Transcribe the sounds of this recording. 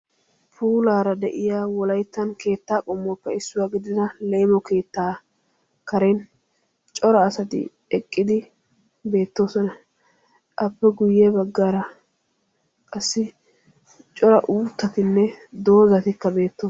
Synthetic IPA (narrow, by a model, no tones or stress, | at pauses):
pʰuːlaːɾɐd̪ɛʔɪjaːwɔlɐjt̪ːɐnke̞ːt̪ːaːkʼɔmːɔːpːɛɪsːʊwaːɡɪd̪ɪd̪ɐleːmɔke̞ːt̪ːaː | kɐɾɛn | t͡ʃʼɔɾɐːsɐt̪ɪ̰ | ɛkʼːɪd̪ɪ | be̞ːt̪ːo̞ːsɔnɐ | ʔɐpːɛɡʊjːɛbɐɡːaːɾɐ | kʼɐsːɪ | t͡ʃʼɔɾɐʔuːt̪ːɐt̪ɪnːɛd̪o̞ːzɐt̪ɪkːɐbe̞ːt̪ːoː